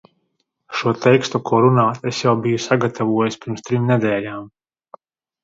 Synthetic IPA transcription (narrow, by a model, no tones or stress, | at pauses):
ʃuɔt̪ɛjkst̪ukʰɔɾunaːt̪esjawbijusaɡat̪ʰavuɔjispʲiɾmst̪ɾimned̪ɛːlaːm